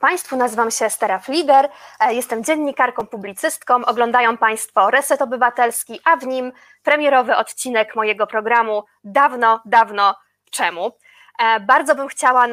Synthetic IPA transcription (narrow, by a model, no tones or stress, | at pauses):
paj̃st̪funazɘvamɕɛst̪ɛɾaflʲiɡɛɾjɛst̪ɛmd͡ʑɛnɲikaɾkɔ̃w̃publʲit̪sɘst̪kɔ̃w̃ʔɔɡlɔ̃nd̪ajɔ̃w̃paj̃st̪fɔɾɛt̪sɛt̪ɔbɘvat̪ɛlskʲiʔavɲim | pɾɛmʲjɛɾɔvɘʔɔt̪t͡ɕinɛkmɔjɛɡɔpɾɔɡɾamu | d̪avnɔd̪avnɔ | t͡ʂɛmu | baɾd̪zɔbɘmxt͡ɕawa